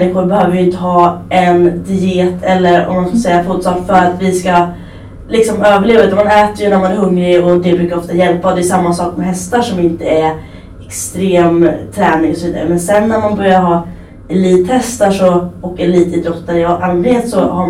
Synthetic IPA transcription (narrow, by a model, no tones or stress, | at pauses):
nːɪɧʊɾbɛhøːvəɾjʏʏnt̪əhɑːʔɛnd̪ɪeːt̪ʰɛlːəɾɔ̰mːanfsɛjːafʰoːt̪sɑːkfœɾat̪vɪska | lɪksɔmøːvəɭeːvad̪manɛːt̪əɾjɵnæɾmanæɾɦɵŋːɾɪɔd̪ɛbɾʉːkaɾɔft̪ajɛlpːad̪ɛːjʉsamːasɑːkmɛɦɛst̪aʂɔmɪnt̪əæ | ɛkst̪ɾeːmt̪ʰɾɛːnɪŋɔsɔviːd̪aɾəmɛnsɛnːæɾmanbœɾjaɾɦɑː | ɛliːt̪hɛst̪aʂɔoːkːəliːt̪ɪd̪ɾɔt̪ːaɾɪʔanlɪnheːt̪sɔ̰ha